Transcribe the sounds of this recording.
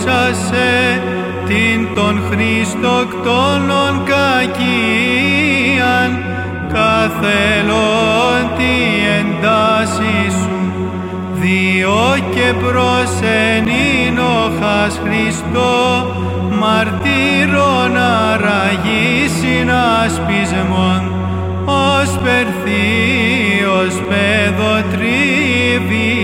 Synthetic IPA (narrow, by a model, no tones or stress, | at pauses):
ɐse | t̪int̪o̞nxɾist̪okt̪ono̞nkɐci | ɐn | kɐθelont̪iend̪ɐsisu | ðiocepɾo̞seninoxɐsxɾist̪o | mɐɾt̪iɾonɐɾɐʝisinɐspizmon | ospeɾθi | ospeðot̪ɾivi